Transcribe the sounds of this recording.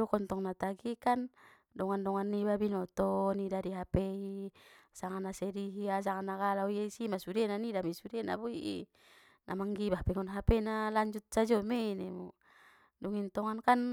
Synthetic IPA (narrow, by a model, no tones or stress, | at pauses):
ɔkɔnt̪ɔŋnat̪aɡikan | dɔŋandɔŋanːibabinɔt̪ɔnidadiɦapɛisaŋanːasɛdiɦias̬aŋanːaɡalaiaisimasudɛnanidamɛsudena̰buiʔḭ | nʔamaŋɡibapɛŋɔnɦapɛnalaɲd͡ʒut̪̚sad͡ʒɔmɛinɛmɔ | dɔŋint̪ɔŋankan